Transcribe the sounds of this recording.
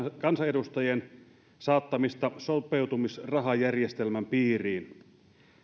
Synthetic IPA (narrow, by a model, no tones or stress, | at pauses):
kɑnsɑedust̪ɑjen | sɑːt̪ːɑmist̪ɑsopewt̪umisrɑɦɑjærjest̪elmæmpiːriːn